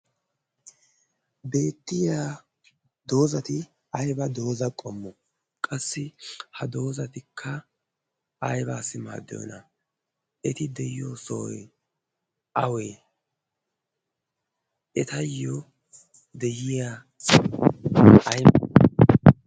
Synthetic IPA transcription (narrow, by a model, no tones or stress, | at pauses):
be̞ːt̪ːɪja | d̪o̞ːzɐt̪ɪ | ɐjbɐd̪o̞ːzɐkʼɔmːʊ | kʼɐsːɪhɐd̪o̞ːzɐt̪ɪkʰːɐː | jbaːsɪma̰ːd̪ːjɔ̰nɐ | ɛt̪ɪd̪ɛjɪjosɔj | ɐwe | ɛt̪ɐjːɔ | d̪ɛjɪja | ɐjm